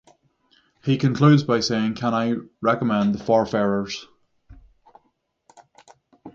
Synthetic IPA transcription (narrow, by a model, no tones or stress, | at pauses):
hikʰə̃nkʰl̥ʉːdzbaɪseɪɪ̃ŋkʰə̃ñaɪɹɛkəmɛ̃nðəfɔɹfɛɹə˞z̥